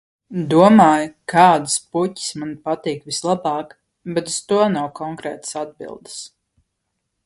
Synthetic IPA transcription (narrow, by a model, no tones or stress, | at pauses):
d̪uɔmaːjkaːd̪ɨspucʲi̥smanpat̪iːkvislˠabɑːk | bɛt̪u̥st̪uɔnawkɔŋkɾɛːt̪ə̥sad̪̚bḭlˠd̪ɨ̥s